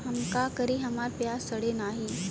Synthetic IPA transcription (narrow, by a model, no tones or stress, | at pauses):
ɦəmkakəɾiɦəmaɾpjastəɽenaɦi